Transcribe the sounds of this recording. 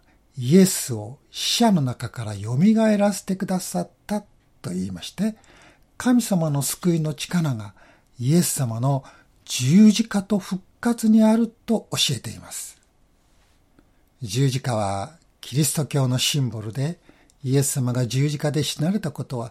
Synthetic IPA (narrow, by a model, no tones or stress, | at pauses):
ie̞sɨo̞ɕi̥ɕano̞nakakaɾajo̞mʲiɡae̞ɾase̞̥t̪e̞kɯ̟d̪asat̪ːat̪ːo̞iːmaɕi̥t̪e̞ | kʰamʲisamano̞sɨ̥kɯ̟ino̞t͡ɕi̥kaɾaɡa | ie̞sːamano̞ | d͡ʑɨːʑikat̪o̞ɸɯ̟kːat͡sɨɲ̟iaɾɯ̟t̪o̞oɕie̞t̪e̞ḭmasɨ̥ | d͡ʑɨːʑikaβa̰ | kʲʰiɾʲisɨ̥t̪o̞kʲo̞ːno̞ɕĩmboɾɯd̪e̞ | ie̞sːamaɡad͡ʑɨːʑikad̪e̞ɕi̥naɾe̞t̪ako̞t̪o̞βa